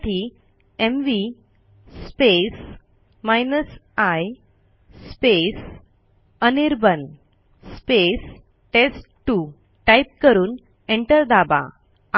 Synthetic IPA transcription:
ʈʰi | emʋi | spes | majnəsaj | spes | əniɾbən | spes | ʈesʈʈu | ʈajp̚kəɾuːn | eɳʈəɾd̪aba̰

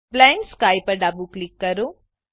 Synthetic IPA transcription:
plajɳʈskaːjpɐɖɐbuklikːɐɾu

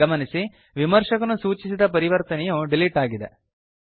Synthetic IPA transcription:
ɐmɐnisi | ʋimɐɾʂɐkɐnusuːt͡ʃisid̪ɐp̬ɐɾiʋɐɾt̪ɐnɛjuɖiliʈaːɡid̪e

